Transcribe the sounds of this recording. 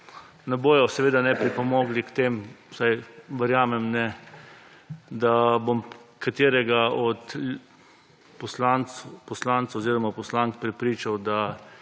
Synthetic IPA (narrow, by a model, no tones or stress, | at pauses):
nɛboːjɔsɛʋeːd̪anɛpɾipɔmoːɡlikt̪emsajʋəɾjaːmɛmnɛ | d̪abomkat̪eːɾɛɡaɔt̪ | pɔslanpɔslant̪saɔziːɾɔmapɔslaŋk̚pɾɛpɾiːt͡ʃawd̪a